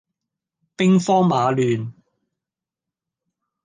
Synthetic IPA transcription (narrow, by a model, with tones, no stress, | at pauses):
pɪ˥ŋfɔː˥ŋmaː˨˧lyː˨n